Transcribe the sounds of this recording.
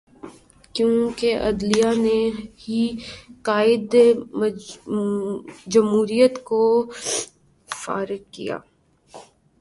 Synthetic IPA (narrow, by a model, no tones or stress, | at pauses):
kjõːkeʔɐd̪lijanehiqaːɪd̪ | d͡ʒɐmɦuːɾijət̪ko | fa̰ːɾɪq̚kija̰ː